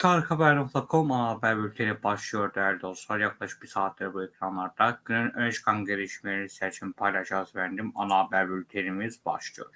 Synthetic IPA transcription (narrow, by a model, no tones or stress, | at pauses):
t̪ʰaɾkʰabæɾnok̪ˠakʰo̞manaːbæɾbylʲt̪ʰeɾibaʃlˠɯjo̞ɾd̪æɾd̪osˠaɾjaklˠaʃɯ̥k̚bisaːt̪ʰlʲeɾbuecʰɾanlˠaɾd̪aɟ̥ynynønet͡ʃkʰanɟeɾiʃmelenist̪ʲæt͡ʃʰinpʰajlˠaʃazvænd̪ima̰naːbæɾbylʲt̪ʰeɾimizba̰ʃlˠɯjoɾ